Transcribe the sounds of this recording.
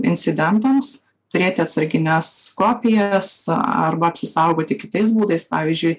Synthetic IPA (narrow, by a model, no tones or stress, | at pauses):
ɪ̰nʲt͡ssʲɪd̪ʲɛnt̪oms | t̪ʊɾʲeːt̪ʲɪɐt̪sɐɾʲɡʲɪnʲɛskoːpʲɪjɛsɐ̰ɾbɐɐpʲsʲɪsɐʊɡoːt̪ʲɪkʲɪt̪ɐɪsbuːd̪ɐɪspɑːʋʲiːzʲd͡ʒʲʊɪ